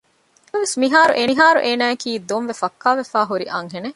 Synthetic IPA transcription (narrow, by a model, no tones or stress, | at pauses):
eɐʋesmiɦaːɾṵʔeiɦaːɾṵʔeːnæːekiːd̪onʋefɐkːaːʋefaːɦuɾiʔɐŋɦene